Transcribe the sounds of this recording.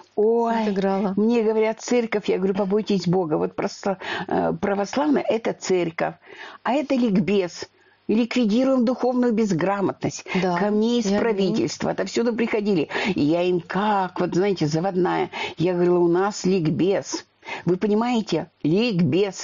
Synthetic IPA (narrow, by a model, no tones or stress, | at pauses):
ojɡɾalˠəmnʲe̞ɡəvɐɾʲat̪̚t̪sɛrkəfʲjaɡəvɐɾʲupɐbo̞jtʲɪsʲbo̞ɡəvo̞t̪̚pɾɐs | pɾəvɐslˠavnəʔɛt̪ət̪sɛrʲkəfʲɐɛt̪əlʲɪɡbʲe̞s | lʲɪkvʲɪdʲiɾʊjɪmd̪ʊxo̞vnʊjʊbʲɪzɡramət̪nəsʲtʲd̪akɐmnʲeɪspɾɐvʲitʲɪ̰lʲst̪və̰t̪ɐfsʲud̪əpɾʲɪxɐdʲilʲɪɪjaimkakvo̞t̪znajɪtʲɪzəvɐd̪najə̰jaɡəvɐɾʲilˠəʊnaslʲɪɡbʲes | vɨpənʲɪmajɪtʲɪlʲɪɡbʲe̞s